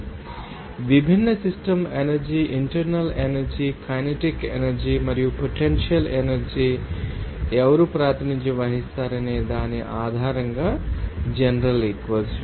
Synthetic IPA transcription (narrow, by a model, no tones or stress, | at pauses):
ʋibʱinːɐsisʈɐmenɐɾd͡ʒiʔiɳʈɐɾnɐlenɐɾd͡ʒikʰɐjneʈikḛnɐɾd͡ʒimɐɾijupoʈenʃijɐlenɐɾd͡ʒi | ɛʋɐɾupɾaːt̪ʰɐnid͡ʒjɐʋɐɦist̪aːɾɐneːd̪aːniʔaːd̪ʱaːɾɐŋɡaːd͡ʒenɾɐlikʋɐt͡ʃ